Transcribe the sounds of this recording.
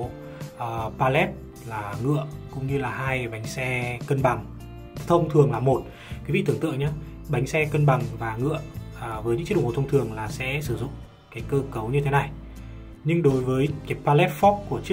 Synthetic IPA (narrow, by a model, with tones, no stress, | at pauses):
ʔəː˨˩paː˧lɛ˦˥p̚ | laː˨˩ŋɨ̰˧˨əkʊ̰˧˥ŋ͡mɲɨ˧laː˨˩haː˧jɓa˨˦jŋ̟sɛ˧kə˧nɓa˨˩ŋ | t̪ʰə˧wŋ͡mt̪ʰɨ˨˩əŋlaː˨˩mo˨˩t̚ | kwi˨˦vḭ˧˨t̪ɨ˨˩əŋt̪ɨ˧˨ŋɲaː˨˦ | ɓa˨˦jŋ̟sɛ˧kə˧nɓa˨˩ŋvaː˨˩ŋɨ̰˧˨əʔvəː˨˦jɨ̰˧˥t͡ɕɗ̰t̪ʰŋ͡mt̪ɨ˨˩əŋlaː˨˩sɛ̰˧˥sɨ˧˩zʊ̰˧˨ŋ͡m | kaː˨˦jkəː˧kə˨˦wɲɨ˧t̪ʰe˨˦na˨˩j | ɲɨ˧ŋɗo˨˦jvəː˨˦jkaː˨˦jpaː˧lɛ˦˥p̚fɔ˦˥p̚ku˧˩ət͡ɕi˦˥